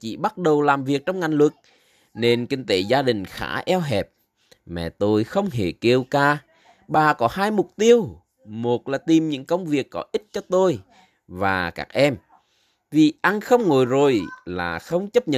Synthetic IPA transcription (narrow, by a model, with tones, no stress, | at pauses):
t͡ɕḭ˧˥ɓa˦˥t̚ɗə˨˩wlaː˨˩mvi˨˩ək̚t͡ɕɔ˧wŋ͡mŋa˨˩jŋ̟lwɨ˨˩k̚ | ne˧nkï˧ŋ̟t̪e˨˦zaː˧ɗï˨˩ŋ̟xa̰ː˧˥ʔɛ˧wɦɛ˨˩p̚ | mɛ̰˧˨˩t̪o˧jxə˧wŋ͡mɦe˧˩ke˧wkaː˧˩ | ɓaː˨˩kɔ˨˦haː˧jmʊ˨˩k͡p̚t̪i˧əw | mo˨˩t̚laː˨˩t̪i˨˩mɲɨ̰˧˥ŋkə˧wŋ͡mvi˨˩əkːɔ˨˦ʔi˦˥t̚t͡ɕɔ˧t̪o˧j | vaː˨˩ka̰ː˦˥k̚ʔɛ˧m | vi˨˩ʔa˧nxə˧wŋ͡mŋo˨˩jzo˨˩jlaː˨˩xə˧wŋ͡mt͡ɕə˦˥p̚ɲə̰˧˨